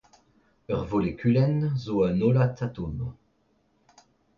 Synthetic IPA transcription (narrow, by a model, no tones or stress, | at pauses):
œʁvolekʲʰylɛnzoanolat̪at̪om